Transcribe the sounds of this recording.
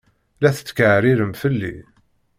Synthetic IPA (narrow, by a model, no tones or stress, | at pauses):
læθə̥t͡sːkəʕɾiɾəmfəlːḭ